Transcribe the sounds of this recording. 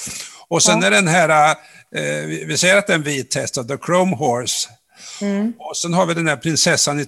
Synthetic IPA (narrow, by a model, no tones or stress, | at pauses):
ɔsɛnæɖɛnɦæːɾa | vɪvɪsɛjːəɾat̪̚d̪ɛɛnviːt̪ʰːɛst̪avd̪əkʰɾoʊmɦɔɾs | ɔsɛnɦaɾvɪd̪ɛndæɾpʰɾɪnsɛsːanɪ